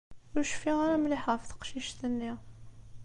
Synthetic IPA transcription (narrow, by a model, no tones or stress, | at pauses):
ʊɾʃfiʁaɾamliħəfθə̥qʃiʃt̪ənːiʁ